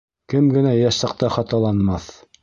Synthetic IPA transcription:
kɘmɡɘ̆næjæʃɑ̆q̚t̪ɑχɑt̪ɑlˠɑnmɑθ

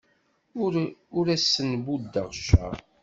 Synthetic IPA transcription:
ʊɾæsːənbud̪ːəʁʃə̰

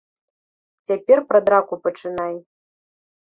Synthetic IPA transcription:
t͡sʲapʲɛrpɾɐd̪ɾakupɐt͡ʂɨnaj

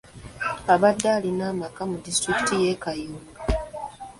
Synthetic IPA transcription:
aβadːaːlinaːmakamudistɾiki̥tijekajuːŋɡa

